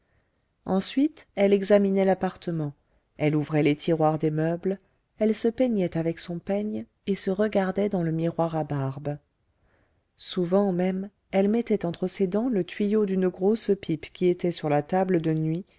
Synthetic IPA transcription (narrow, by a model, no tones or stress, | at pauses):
ɑ̃sɥit̪ɛlɛɡzaminɛlapaʁt̪əmɑ̃ | ɛluvʁɛlet̪ʰiʁwaʁd̪emœbl | ɛlsəpɛɲɛt̪avɛksɔ̃paɲ | esəʁəɡaʁd̪ɛd̪ɑ̃ləmiʁwaʁabaʁb | suvɑ̃mɛm | ɛlmɛt̪ɛt̪ɑ̃t̪χəsed̪ɑ̃lət̪ɥijod̪ynəɡʁospʰipkʲiet̪ɛsyʁlat̪abləd̪ənɥi